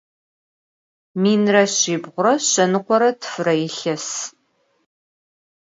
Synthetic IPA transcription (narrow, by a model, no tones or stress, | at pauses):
miːnrɐɕiːbʁʷʊɾɐɕɐnɨqʷɔɾɐtʰɨ̥fɨrɐjɪɬɐs